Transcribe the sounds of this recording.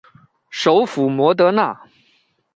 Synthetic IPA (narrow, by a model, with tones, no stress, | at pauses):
ʂo˧˥ʊfu˨˩mwɔ˧˥t̪̬ɤ˧˥na˥˩